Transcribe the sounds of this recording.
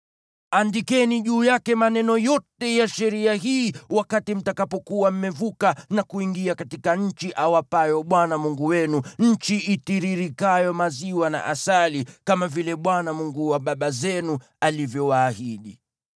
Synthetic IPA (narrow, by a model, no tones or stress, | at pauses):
andikɛniʄuːjakɛmanɛnɔjɔtɛjaʃɛɾiaɦiːwakatim̩takapɔkuwam̩mɛvukanakuiŋɡiakatikaɲ̩t͡ʃiʔawapajɔɓwanamuŋɡuwɛnuɲ̩t͡ʃiʔitiɾiɾikajɔmaziwana̰ʔasalikamavilɛɓwanamuŋɡuwaɓaɓazɛnu | alivjɔwaːhiɗi